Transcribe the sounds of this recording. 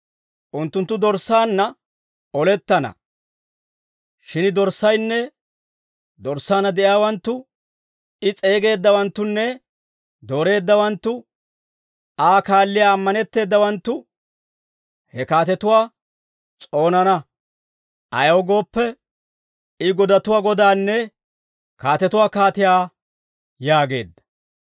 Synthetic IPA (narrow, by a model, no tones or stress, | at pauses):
ʔʊnt̪ːʊnt̪ːʊd̪ɔɾsːaːnːɐ | ɔlɛt̪ːɐnɐ̰ | ʃɪnd̪ɔɾsːɐjnːɛ | d̪ɔɾsːaːnɐd̪ɛʔjaːwɐnt̪ːʊ | ɪt͡sʼe̞ːɡe̞ːd̪ːɐwɐnt̪ːʊnːɛ | d̪o̞ːɾe̞ːd̪ːɐwɐnt̪ːʊ | aːkaːlːɪjaːmːɐnɛt̪ːe̞ːd̪ːɐwɐnt̪ːʊ | hɛkaːt̪ɛt̪ʊwaː | t͡sʼo̞ːnɐnɐ | ʔɐ̰jɐwɡo̞ːpːɛ | ɪɡɔd̪ɐt̪ʊwaːɡɔd̪aːnːɛ | kaːt̪ɛt̪ʊwaːkaːt̪ɪjaː | jaːɡe̞̰ːd̪ːɐ̥